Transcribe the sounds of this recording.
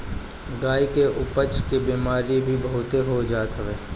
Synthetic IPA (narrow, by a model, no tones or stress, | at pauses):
ɡaːikeʔʊpət͡ʃkibiːmaːɾibʱibɐɦʊt̪eɦod͡ʒaːt̪ɦəʋeː